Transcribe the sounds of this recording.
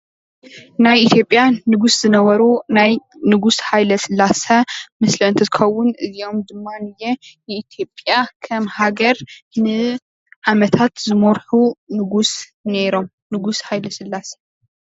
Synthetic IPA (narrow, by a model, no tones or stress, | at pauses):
najit̪ʰjo̞pʼjanɨɡusz̥ɨnɐβɐɾunajnɨɡusħajlɐsɨlːasɐmɨslɐɨnt̪ʰɐzɨxɐwːʊnɨzio̞md̪ɨmːanɨjɛjɛit̪ʰjo̞pʼjakʰɐmhaɡɐɾnɨ | ʕamɐt̪ʰat̪zɨmoɾħunɨɡus | neɾo̞m | nɨɡusħajlɐsɨlːasɐ̥